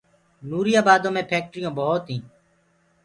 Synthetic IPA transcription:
nuːɾɪjaːbaːd̪õːmẽːpʰeːk̚ʈɾɪjõːbəɦot̪ɦĩː

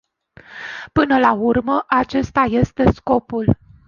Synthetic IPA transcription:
pɨnəlaurməʔat͡ʃe̞st̪aje̞st̪e̞sko̞pul

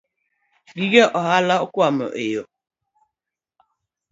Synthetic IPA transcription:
ɡiɡeʔɔɦalaokwamə̰ʔejo

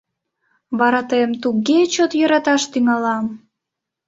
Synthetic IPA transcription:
βɑɾɑt̪əjəmt̪uɡet͡ɕot̪jəɾɑt̪ɑʃt̪yŋɑlɑm

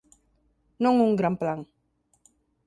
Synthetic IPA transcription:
nɔŋuŋɡɾamplaŋ

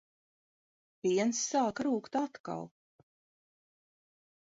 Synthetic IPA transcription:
piɛnsːaːkɾuːkt̪at̪ka̰lˠ

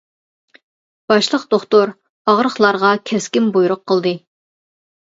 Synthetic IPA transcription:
b̥ɑʃlˠəqd̪oχt̪oɾ | ɑʁɾəχlˠɑɾʁɑkʲʰɛskʲɪmbujuɾʊqʰːəlˠd̪ɨ

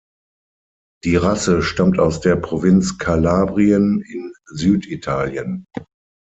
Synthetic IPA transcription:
d̥iːʁasəʃtamtaʊsd̥eːɐpʁ̥ovɪnt͡skʰalaːbʁiənɪnzyːtitʰaːljən

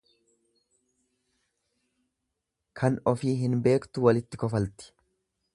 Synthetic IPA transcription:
kʰɐnɔfiːɦɪnbe̞ːkt̪ʊwɐlɪt̪ːɪkɔfɐlt̪ɪ̥

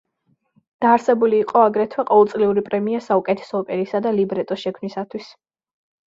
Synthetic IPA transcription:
d̪̥aːɾsɛbuliːqʼɔaɡɾɛt̪ʰwɛqʼɔvɛlˠt̪sʼliuɾipʼɾɛmiasaukʼɛt̪ʰɛ̥sɔːpʼɛɾisad̪alibɾɛt̪ʼɔʃɛkʰmnisat̪ʰwis

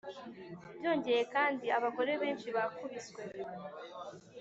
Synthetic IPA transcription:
βjo̞ːɲɟe̞je̞kaːndiaβako̞ɾe̞βe̞ːnt͡ʃiβakuβiswe̞

